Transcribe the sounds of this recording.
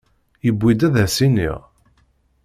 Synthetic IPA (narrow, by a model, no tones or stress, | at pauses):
jəbːid̪æðæsinḭʁ